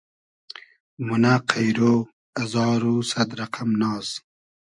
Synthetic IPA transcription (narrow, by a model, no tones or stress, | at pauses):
munaqʰajɾoː | azɑːɾuːsad̪ɾaqʰamnɑːz